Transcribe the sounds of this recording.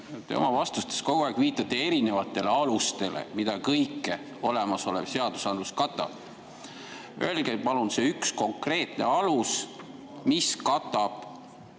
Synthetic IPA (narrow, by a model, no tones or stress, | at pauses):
t̪e̞̰o̰mɑvɑst̪ust̪esko̞ɡ̥uɑːˑkviːt̪ːˑɑt̪ːˑe̞e̞ɾine̞vɑt̪ːˑe̞le̞ɑlust̪e̞lḛmid̪̥ɑkɤjkːˑe | o̞le̞mɑso̞lḛb̥se̞ɑd̪̥usɑnd̪luskɑt̪ˑːɑ̰b̥̚ | øelɡ̥epɑlunse̞yksko̞ŋkre̞ːt̪ˑne̞̰ɑlus | miskɑt̪ːˑɑb̥